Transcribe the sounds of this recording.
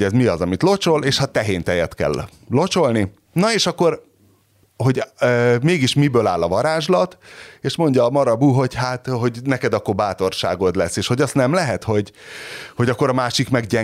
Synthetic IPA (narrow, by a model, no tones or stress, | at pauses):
ɛzmiɒzɒmit̪lo̞t͡ʃo̞leːʃhɒt̪ɛɦeːnt̪ɛjɛt̪kɛ̰lː | o̞t͡ʃo̞lni | nɒeːʃɒkːo̞r | ɦo̞ɟmeːɡiʃmibøːlaːlɒvɒɾaːʒlɒt̪eːʃmo̞ɲɟɒːmɒɾɒbuːɦo̞ɟhaːt̪ɦo̞ɟnɛkɛd̪ɒkːo̞rbaːt̪o̞rʃa̰ːɡo̞d̪lɛsːeːʃho̞ɟɒst̪nɛmlɛɦɛt̪ho̞ɟho̞ɟɒkːo̞ɾɒmaːʃikmɛɡɟɛ